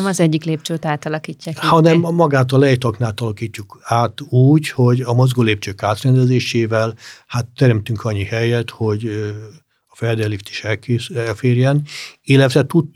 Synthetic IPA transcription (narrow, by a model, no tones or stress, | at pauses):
mɒzɛɟːikleːp̚t͡ʃøːt̪aːt̪ɒlɒkiːcːaːkhɒnɛmːɒɡaːt̪ɒlɛjt̪ɒknaːt̪ɒlɒkiːcːukaːt̪uːɟho̞ɟɒmozɡoːleːp̚t͡ʃøːkaːt̪rɛnd̪ɛzeːʃeːvɛlhat̪ːɛɾɛmt̪yŋkʰɒɲːihɛjɛt̪ho̞ɟ | ɒfɛrd̪ɛlift̪i̥ʃɛlkeːɛlfeːrjɛnilːɛt̪ʋɛt̪ut̪ː